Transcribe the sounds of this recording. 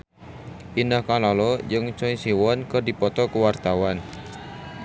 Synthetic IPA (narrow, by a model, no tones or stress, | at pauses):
ʔinəhkalɔlɔd͡ʒɨŋt͡ʃɔisiwɔnkərdipɔt̪ɔkəwart̪awan